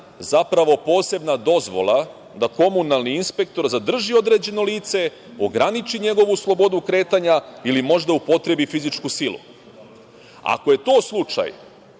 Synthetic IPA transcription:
zapɾaʋo̞po̞ːse̞bnad̪o̞zʋo̞̰lˠa | d̪ako̞munalˠniinspe̞k̚t̪o̞ɾzad̪r̩ʒio̞d̪ɾe̞d͡ʑe̞no̞liːt̪se̞ | o̞ɡɾanit͡ʃiɲe̞ɡo̞ʋuslˠo̞bo̞d̪ukɾe̞ːt̪aɲailimo̞ʒd̪aupo̞t̪ɾe̞bifizit͡ʃkusilˠṵ | a̰ko̞je̞t̪o̞ːslˠut͡ʃa̰j

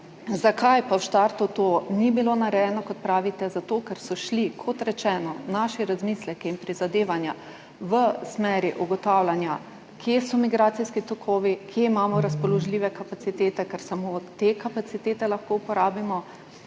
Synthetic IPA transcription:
zakajpawʃt̪aɾt̪ut̪oːnibiloːnaɾɛjɛnɔkɔt̪̚pɾaːʋit̪ɛzat̪oːkɛɾsɔʃlikʰɔt̪ɾɛt͡ʃɛːnɔnaːʃɛɾazmiːslɛkiinpɾizad̪eːʋanja | ʋəsmɛːɾiʔuɡɔt̪aːwlanja | kʰjesɔmiɡɾaːt̪siskit̪ɔkʰoːʋikʰjeimaːmɔɾaspɔlɔʒliːʋɛkapat̪sit̪eːt̪ɛkɛɾsamot̪ekapat̪sit̪eːt̪ɛlaxkoupɔɾaːbimɔ

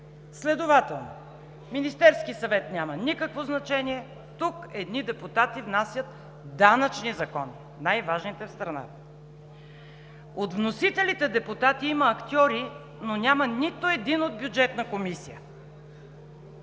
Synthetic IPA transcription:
slɛd̪ovat̪ɛlˠno̰ | minist̪ɛɾskisɐvɛt̪nʲamɐnikəkvoznɐt͡ʃɛniɛ | t̪ukɛd̪nid̪ɛput̪at̪ivnasʲjət̪ | d̪anət͡ʃnizɐkɔni | najvaʒnit̪ɛfst̪ɾɐna̰t̪ə | ot̪vnosit̪ɛlit̪ɛd̪ɛput̪at̪iiməːkt̪ʲiɔɾi | nonʲamənit̪oɛd̪inod̪̚bʲjud͡ʒɛt̪nəkomisijə̰

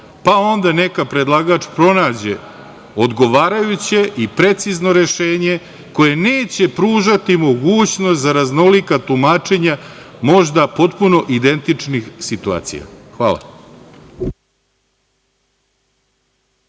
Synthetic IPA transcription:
pao̞nd̪ane̞kapɾed̪lˠaɡaːt͡ʃpɾo̞naːd͡ʑe̞ | o̞d̪ɡo̞ʋaːɾajut͡ɕe̞ʔipɾe̞t̪sizno̞ɾe̞ʃe̞ːɲe̞ | ko̞je̞neːt͡ɕe̞pɾuːʒat̪imo̞ɡuːt͡ɕnost̪zaɾazno̞likat̪umaːt͡ʂe̞ɲa | mo̞ʒd̪apo̞t̪puno̞ʔid̪e̞nt̪it͡ʂnixsit̪ua̰ːt̪sḭja̰xʋa̰ːla̰

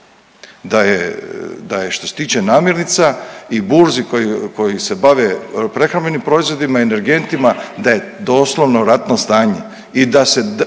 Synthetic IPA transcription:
d̪ajed̪ajeʃt̪o̞se̞t̪iːt͡ʃe̞naːmjeɾnit̪saibuɾzikokojise̞baʋepɾe̞xɾambe̞nimpɾo̞izʋo̞d̪imaiene̞ɾɡe̞nt̪imad̪aje̞d̪o̞ːslˠoʋnoɾat̪nost̪aːɲe | id̪ase̞

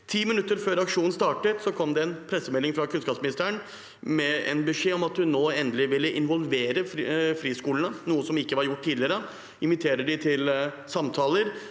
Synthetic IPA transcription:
t̪ʰiːmɪnʉt̪ːəɾføːɾɑkʂuːnn̩st̪ɑːʈət̪sɔkʰɔmd̪ɛɛnpʰɾɛsːəmɛlːɪŋfɾɑkʰʉnskɑːpsmɪnɪst̪əəɳ | mɛɛ̰nbʉʂeːɔmɑt̪hʉnːoːɛnd̪əlɪʋɪlːəʔɪnʋɔlʋeːɾəfɾiːskuːləɳənuːəsɔmɪkːəʋɑɾjʊʈːt̪iːd̪lɪəɾə | ɪnʋɪt̪ʰeːɾəɖɪt̪ʰɪl | sɑmt̪ʰɑːləɾ

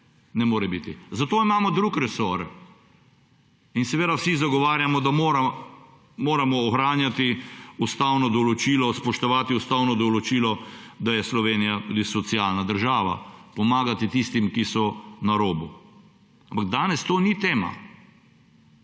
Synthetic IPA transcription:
nɛmoːɾɛbit̪izat̪oːimaːmɔd̪ɾukɾɛsoɾ | insɛʋeːd̪awsizaɡɔʋaːɾjamɔd̪amoɾa | moːɾamɔːxɾaːnjat̪iust̪awnɔd̪ɔlɔt͡ʃiːlɔspɔʃt̪ɔʋaːt̪iust̪awnɔd̪ɔlɔt͡ʃiːlɔd̪ajɛslɔʋeːnijat̪uːd̪isɔt̪sialnad̪əɾʒaːʋa̰pɔmaːɡat̪it̪ist̪imkisɔnaɾoːbu | ampaɡ̚d̪aːnɛst̪oːnit̪eːma̰

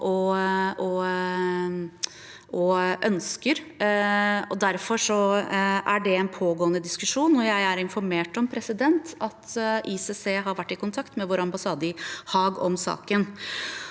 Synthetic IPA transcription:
ʔɔɔ | ʔɔʔœnskəɾ | ɔd̪æɾfɔʂɔʔæɖɛɛnpʰoːɡoːənəd̪ɪskʉʂuːnːɔjæɪæɾɪnfɔɾmeːʈɔmpʰɾɛsɪd̪ɛnt̪ɑt̪ʔisɛseːɦɑɾʋæʈːɪkʊnt̪ʰɑkt̪mɛʋoːɾɑmbɑsɑːd̪əɪhɑːɡɔmsɑ̰ːkən

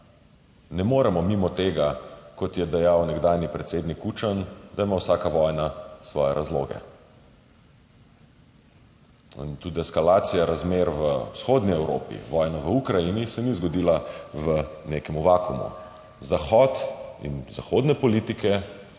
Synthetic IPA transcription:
nɛmoːɾɛmɔmimɔt̪eːɡakɔt̪jɛd̪ɛjawnɛɡd̪aːjnipɾɛt̪seːd̪nikuːt͡ʃand̪aimawsaːkaʋɔːjnasʋɔːjɛɾʔazlo̰ːɡɛ̰ | nt̪ud̪iɛskalaːt̪sijaɾazmeɾʋəwsxoːd̪niɛwɾo̰ːpḭʋɔːjnaʋəukɾajinisɛnizɡɔd̪iːlaʋəneːkɛmuʋaːkumṵ | zaxɔt̪ḭnzaxod̪nɛpɔlit̪ikɛ

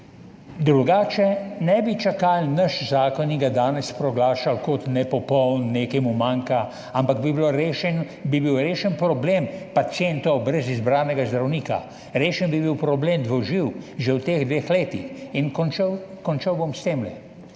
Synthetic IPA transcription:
d̪ɾuɡaːt͡ʃɛnɛbit͡ʃakalnɐʃzaːkɔniɡad̪aːnɛspɾɔɡlaːʃalkɔt̪nɛpɔpɔwnːeːkɛjmumaŋka | ampaɡbibloɾeːʃɛn | bibiwɾeːʃɛnpɾɔbleːmpasjent̪ɔwbɾɛzizbɾaːnɛɡazd̪ɾawniːka̰ | ɾeːʃɛnbibiwpɾɔbleːmd̪ʋɔʒiwʒɛwt̪eːɣd̪ʋeːxleːt̪ixinknt͡ʃwkɔnt͡ʃawbomst̪eːmlɛ̰

